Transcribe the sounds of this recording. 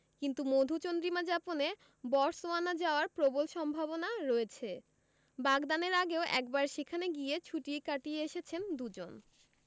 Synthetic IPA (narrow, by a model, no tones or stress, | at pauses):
kint̪umod̪ʱut͡ɕond̪ɾimad͡ʑapone | bɔɾsoanad͡ʑaoaɾpɾobolʃɔmbʱabonaɾɔet͡ɕʰe | baɡd̪aneɾaɡeoʔɛ̰k̚baɾʃekʰaneɡijet͡ɕʰuʈikaʈieeʃet͡ɕʰend̪ud͡ʑo̰n